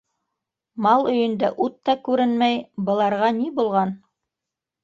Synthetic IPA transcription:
mɑlˠɵ̆jɵ̆nd̪æʔut̪ːɑkʉɾɘnmæjbɤ̆lˠɑɾʁɑnibulˠʁɑn

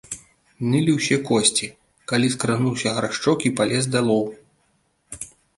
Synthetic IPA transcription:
nɨlʲiwsʲɛkɔsʲt͡sʲi | kalʲiskɾanuwsʲɐɦɾaʂt͡ʂɔkipalʲɛzd̪alˠɔw

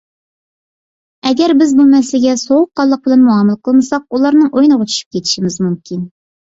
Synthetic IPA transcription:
ɛɡʲɛɾbɪzbumɛslɪlɪɡʲɛsowʊqːɑlˠːəq̚bɪlɛnmuɑməlˠəqʰəlˠnɨsɑq̚ulˠɑɾnɨŋʔojnəʁɑt͡ʃʰy̥ʃy̥p̚kʲʰet̪ʰɪ̥ʃimɪzmymkʲʰin

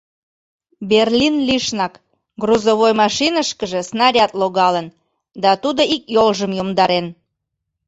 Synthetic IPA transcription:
berlʲinliʃnɑk | ɡruzoβojmɑʃinəʃkəʒĕsnɑɾʲɑt̪loɣɑlən | d̪ɑt̪ud̪oikjolʒəmjomd̪ɑɾen

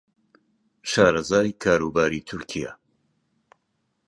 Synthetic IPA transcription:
ʃaːɾɐzaːjkʰaːɾuːbaːɾiːt̪ʰʊɾkʰija̰

